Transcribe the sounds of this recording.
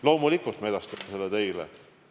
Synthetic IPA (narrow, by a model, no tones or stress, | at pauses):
lo̞ːmulikult̪meed̪ɑst̪ɑmeselːet̪e̞jlḛ